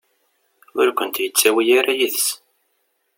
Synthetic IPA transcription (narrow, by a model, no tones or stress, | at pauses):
ʊɾkʷənt̪jət͡sːæwijaɾajiθs